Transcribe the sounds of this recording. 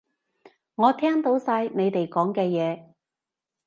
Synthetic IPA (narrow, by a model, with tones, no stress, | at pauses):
ŋɔː˨˧t̪ʰɛː˥ŋt̪o˨˥wsaː˧jne˨˧jt̪e˨jkɔː˨˥ŋkɛː˧jɛː˨˧